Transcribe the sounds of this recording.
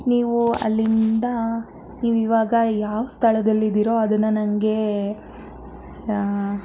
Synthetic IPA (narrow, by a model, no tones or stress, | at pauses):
niːʋuɐ̰lːind̪ɐ | niːʋiʋaːɡɐjaːʋɐst̪ʰɐɭɐd̪ɐlːid̪iɾo̞ɐd̪ɐnːɐnɐŋɡe̞